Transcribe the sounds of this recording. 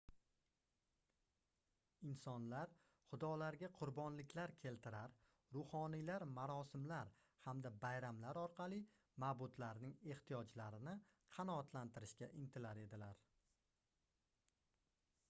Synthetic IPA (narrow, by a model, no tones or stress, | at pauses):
ɪnsɒnlaɾ | χʊd̪ɒlaɾɡʲaqʰʊɾbɒnlɪkʲʰlaɾkʲʰe̞lt̪ʰɪɾaɾ | ɾʊhɒnilaɾmaɾɒsɪmlaɾ | hamd̪abajɾamlaɾɒɾqʰɑlˠɪ | mabʊt̪laɾnɪŋe̞ht̪ʰijɒd͡ʒlaɾɪnɪ | qʰɑnɒːt̪ʰlant̪ɪɾɪʃkʲaʔɪnt̪ʰɪlaɾe̞d̪ɪlaɾ